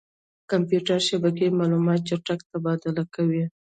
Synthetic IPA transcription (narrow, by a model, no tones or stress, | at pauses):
kampjuʈaɾʃabak̬emɑlumɑt̪̚t͡ʃaʈakt̪abɑd̪alakawi